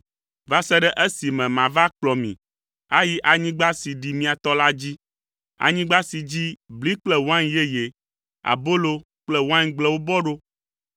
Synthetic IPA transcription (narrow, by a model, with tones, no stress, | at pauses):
va˦sɛ˦ɖɛ˦ʔe˦si˨mɛ̃˨mã˨va˦k͡plɔ˨mḭ̃˨ | a˦ji˦ʔa˨ɲĩ˦ɡ͡ba˦si˨ɖi˨mĩ˨˦a˨t̪ɔ˦la˦d͡ʑi˦ | a̰˨ɲĩ˦ɡ͡ba˦si˨d͡ʑi˦bli˦k͡plɛ˦wã˦nje˦je˨ | a̰˨bo˦lo˦ | k͡plɛ˦wã˦ɲɡ͡blɛ˦wo˦bɔ˦ɖo˦